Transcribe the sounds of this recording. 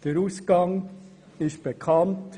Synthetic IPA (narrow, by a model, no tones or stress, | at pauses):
d̥əɾuːsɡ̥ɑŋ | ɪʃtb̥ekʰɑnt